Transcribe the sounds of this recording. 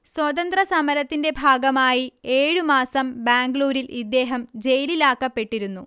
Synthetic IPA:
swɐt̪ɐnd̪rɐsɐmɐɾɐt̪ːinde̞bʱaːɡɐmaːjie̞ːɻɨmaːsɐmbaːŋɡɭuːɾilʔid̪ːe̞ːɦɐmd͡ʑe̞jlilaːkːɐpːe̞ʈːiɾunːu

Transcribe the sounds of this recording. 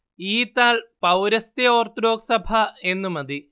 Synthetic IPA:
iːt̪ːaːlpɐwɾɐst̪jɐoːrt̪ɾo̞ːksɐbʱɐe̞nːumɐði

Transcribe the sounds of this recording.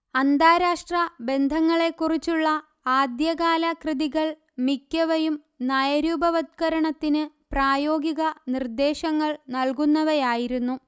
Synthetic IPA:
ɐnd̪aːɾaːʂʈrɐbe̞nd̪ʱɐŋːɐɭe̞kːurit͡ɕːuɭːɐ | aːd̪jɐɣaːlɐkrɨðiɣɐɭ | mikʲːɐʋɐjum | naːjɐɾuːbɐʋɐt̪̚kɐɾɐɳɐt̪ːinɨ | praːjo̞ːɡiɣɐnird̪e̞ːɕɐŋːɐɭnɐlkunːɐʋɐjaːjiɾunːu

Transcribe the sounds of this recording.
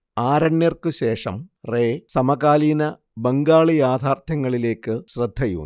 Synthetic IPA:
aːɾɐɳjerkɨɕe̞ːʂɐ̰mre̞ːsɐmɐɣaːliːnɐ | beŋɡaːɭijaːd̪ʱaːrt̪ʰɐŋːɐɭile̞ːkːɨɕrɐd̪ʱːɐjṵn

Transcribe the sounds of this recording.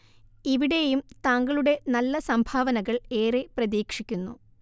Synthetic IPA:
iʋiɽe̞jumt̪aːŋɡɐɭuɽe̞nɐlːɐsɐmbʱaːʋɐnɐɣɐɭe̞ːreprɐðiːkʂikʲːunːu

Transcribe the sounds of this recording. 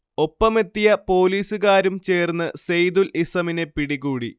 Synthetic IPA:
o̞pːɐme̞t̪ːijɐpo̞ːliːsuɣaːɾumt͡ɕe̞ːrnːɨsejd̪ulisɐmine̞piɽiɣuːɽḭ

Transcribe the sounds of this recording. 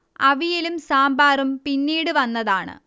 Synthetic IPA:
ɐʋijilumsaːmbaːrumpinːiːɽɨʋɐnːɐðaːɳɨ̰

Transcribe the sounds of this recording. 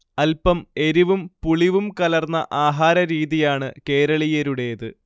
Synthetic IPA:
ɐlpɐme̞ɾiʋumpuɭiʋumkɐlɐrnːɐʔaːɦaːɾɐɾiːðijaːɳɨke̞ːɾɐɭijɐɾuɽe̞jɐðɨ

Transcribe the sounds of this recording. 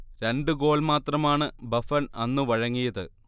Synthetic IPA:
ɾe̞ɳɖɨɡo̞ːlmaːt̪rɐmaːɳɨbɐfɐnɐnːɨʋɐɻɐŋːijɐðɨ

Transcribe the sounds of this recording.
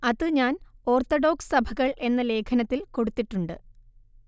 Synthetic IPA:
ɐðɨɲaːno̞ːrt̪ːoɖo̞ːksɨ̥sɐbʱɐɣɐɭe̞nːɐle̞ːkʰɐnɐt̪ːilko̞ɽut̪ːiʈːuɳɖɨ̰

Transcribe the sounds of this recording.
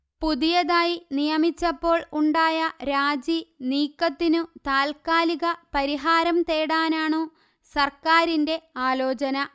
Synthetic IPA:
puðijɐðaːjinijɐmit͡ɕːɐpːo̞ːɭuɳɖaːjɐɾaːd͡ʑiniːkːɐt̪ːinut̪aːlkaːliɣɐpɐɾiɦaːɾɐmt̪eːɽaːnaːɳoː | sɐrkaːɾinde̞aːlo̞ːt͡ɕɐnɐ

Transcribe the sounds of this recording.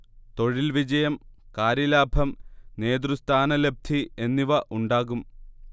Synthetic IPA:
t̪o̞ɻilʋid͡ʑɐjɐmkaːɾjɐlaːbʱɐmne̞ːd̪rust̪ʰaːnɐle̞b̚d̪ʰʱie̞nːiʋɐʔuɳɖaːɣum

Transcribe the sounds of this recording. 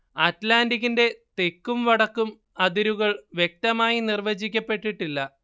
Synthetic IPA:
aːtlaːndiɣinde̞t̪e̞kːumʋɐɽɐkːum | ɐðiɾuɣɐɭʋje̞k̚t̪ɐmaːjinirʋɐd͡ʑikʲːɐpːe̞ʈːiʈːilːɐ

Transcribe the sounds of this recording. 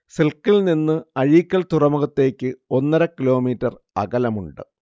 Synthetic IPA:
selkːilninːɨɐɻiːkʲːɐlt̪urɐmuɣɐt̪ːe̞ːkʲːɨo̞nːɐɾɐkːilo̞ːmiːtːɐr | ɐ̰ɡɐlɐmuɳɖɨ̰

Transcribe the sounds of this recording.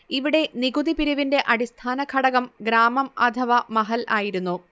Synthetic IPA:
iʋiɽe̞niɡud̪ipiɾuʋinde̞ʔɐɽist̪ʰaːnɐkʰɐɽɐɣɐmɡɾaːmɐmɐt̪ʰɐʋɐmɐɦɐlaːjiɾunːu

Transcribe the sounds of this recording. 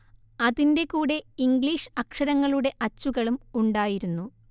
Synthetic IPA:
ɐðinde̞kuːɽe̞iŋɡɭiːʂɐkʂɐɾɐŋːɐɭuɽe̞ʔɐt͡ɕːuɣɐɭumuɳɖaːjiɾunːu

